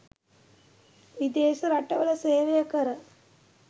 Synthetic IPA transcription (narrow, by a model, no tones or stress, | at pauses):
id̪eːsɐɾɐʈːɐʋɐlɐseːʋejɐkɐɾɐ